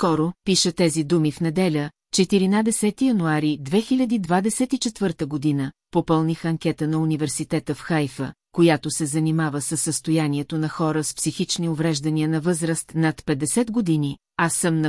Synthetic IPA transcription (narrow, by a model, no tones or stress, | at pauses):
skɔɾopiʃət̪ɛzid̪umifnɛd̪ɛlʲə | t͡ʃɛt̪iɾinad̪ɛsɛt̪ijɐnuaɾid̪vɛxilʲɐd̪id̪vad̪ɛsɛt̪it͡ʃɛt̪vɤɾt̪əɡod̪inəpopɤlˠnixɐŋkʲɛt̪ənɐunivɛɾsit̪ɛt̪əfxajfə̰kojat̪osɛzɐnimavəsəsːəst̪ojaniɛt̪onɐxɔɾəspsixit͡ʃniovɾɛʒd̪ɐniənɐvɤzɾəst̪nɐt̪pɛd̪ɛsɛd̪ɡod̪ini | asːəmnɐ